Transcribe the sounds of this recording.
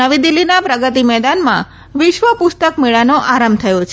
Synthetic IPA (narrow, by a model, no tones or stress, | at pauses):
əʋid̪ilːinapɾəɡət̪imɛd̪anmã̰ | ʋɪʃʋəpʊst̪əkmeɭanoʔaɾamt̪ʰəjot͡ʃʰ